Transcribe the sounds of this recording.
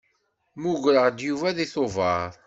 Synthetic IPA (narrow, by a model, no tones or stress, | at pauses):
muʝɾəʁd̪juvæðiθovɑɾˤ